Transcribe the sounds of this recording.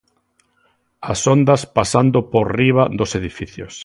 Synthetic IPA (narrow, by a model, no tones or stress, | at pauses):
asond̪aspasand̪opoɾriβaðoseðifiθjos